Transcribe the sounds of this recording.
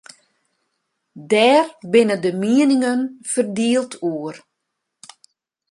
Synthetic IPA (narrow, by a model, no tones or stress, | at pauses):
dɛːrbɪnədəmiənɪŋənfərdiəlˠtʰuər